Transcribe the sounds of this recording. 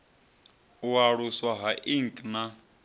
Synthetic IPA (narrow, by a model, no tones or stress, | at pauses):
uaɺuswaɦaʔiŋkʼna